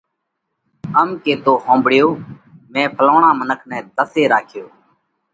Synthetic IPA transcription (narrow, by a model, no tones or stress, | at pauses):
əmkeːt̪oːɦõːmbɽɪjoːmɛ̃ːpʰəloːɳãːmənəkʰnɛ̃ːd̪əseːɾaːkʰɪjoː